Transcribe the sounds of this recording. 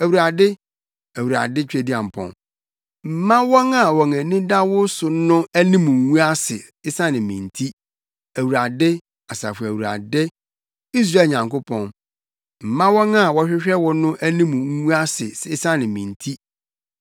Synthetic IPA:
æ˨wu˨ɾa˨dɪ˦ | æ˨wu˨ɾa̰˨dɪ˦t͡ɕᶣe˦di˦ã˨m̩˨pʰɔ̰̃˨n | m̩˨mã˦wɔ˦ŋa˨wɔ˨ŋæ̃˨nĩ˦da˦wʊ˦sʊ˨˦nʊ̃˦æ˦nĩ˦mũ˨˦ŋũ˦a˦sɪ̰˨ | ɪ˦sã˦nɪ̃˨mĩ˨ntʰi˦ | æ˨wu˨ɾa˨dɪ˦ | a˨sa̰˨fʊ˨æ˨wu˨ɾa̰˨dɪ˦ | i˦s̬ɾa˦˨ɲã˨ŋko˦pʰɔ̃˦n | m̩˨mã˦wɔ̃˦ŋa˦˨wɔ˦ɕᶣɪ˦ɕᶣɛ˦wɔ˦nʊ̃˦ʔæ˦nĩ˦mũ˨ŋ˦ŋũ˦a˦sɪ̰˨sɪ˦sã˦nɪ̃˨mĩ˨ntʰi˦

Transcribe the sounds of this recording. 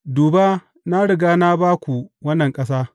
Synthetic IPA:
duː˨ba˦ | na˦ɽɪ˨ɡaː˦naː˦baː˦kʷu˨wɐ˦nːɐ˨ŋkʼɐ˦saː˦

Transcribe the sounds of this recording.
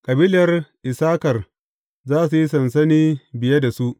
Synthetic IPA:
kʼɐ˨biː˦lɐ˨rʔɪ˨saː˦kɐ˨r | zaː˦su˨ji˦sɐ˨ns̬ɐ˦niː˦bɪ˨je˦da˨su˦ʔ

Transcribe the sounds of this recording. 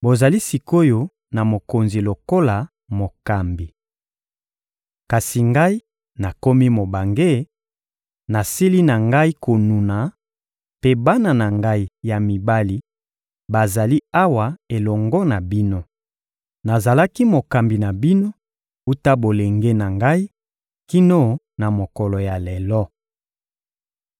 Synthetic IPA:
bo˨za˨li˦si˨ko˦jo˦ | na˨mo˨ko˨nzi˨lo˨ko˦la˨ | mo˨ka˨mbi˨ | ka˨si˨ŋɡa˦i˦ | na˨ko˦mi˦mo˨ba˨ŋɡe˦ | na˨si˦li˦na˨ŋɡa˦i˦ko˨nu˨na˨ | pe˦ba˦na˨na˨ŋɡa˦i˦ja˨mi˨ba˦li˦ | ba˨za˨li˦a˦wa˨e˨lɔ˨ŋɡɔ˦na˨bi˦no˦ | na˨za˨la˦ki˦mo˨ka˨mbi˨na˨bi˦no˦ | u˦ta˦bo˨le˨ŋɡe˦na˨ŋɡa˦i˦ | ki˦no˦ | na˨mo˨kɔ˨lɔ˨ja˨lɛ˨lɔ˦

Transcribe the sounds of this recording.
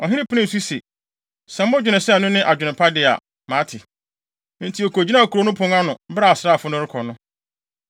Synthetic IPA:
ɔ˨ɦɪ̃˦nɪ̃˦pʰʊ˦nɪ̃˦˨su˦se˨ | sɛ̃˦m˦ʊ̃˦d͡ʑᶣɪ˨nɪ̃˨sɛ˦˨nʊ̃˦nɪ̃˦ʔa˨d͡ʑᶣʊ˨nɪ̃˨pʰa˦dɪ˦a̰˨ | mãː˨˦tʰɪ˨ | n̩˨˦tʰi˨˦ɔ˨kʰo˨d͡ʑi˦nã˦˨kʰu˨ɾo˨˦nʊ̃˦pʰʊ̃˦ŋa˦nʊ̃˨m̩˦bɾa˦˨sɾa˦˨fʊ˦nʊ̃˦ɾɪ˦kʰɔ˨nʊ̃˦

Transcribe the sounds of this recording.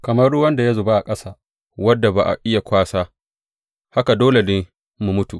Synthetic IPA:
kɐ˨mɐ˦rʊ˦wɐ˦nda˨ja˦zʊ˨ba˦ʔa˨kʼɐ˦saː˨ | wɐ˦dːa˨ba˨ʔa̰˨ʔɪ˦ja˨kʷaː˦saː˦ | ha˦ka˨doː˦le˨dɪ˦ | mu˨mʊ˦tu˨ʔ

